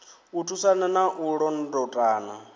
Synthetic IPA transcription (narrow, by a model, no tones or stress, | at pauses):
utʰusananaʔuɺɔn̩dɔtʼaːna̰